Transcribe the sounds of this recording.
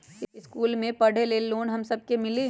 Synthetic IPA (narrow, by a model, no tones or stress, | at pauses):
ɪskuːlmẽpɐɽ̤eleːlːoːnɦɐmsɐb̚kemɪle